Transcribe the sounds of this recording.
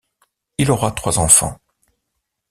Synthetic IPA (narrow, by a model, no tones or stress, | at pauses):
ilɔʁat̪χwazɑ̃fɑ̰̃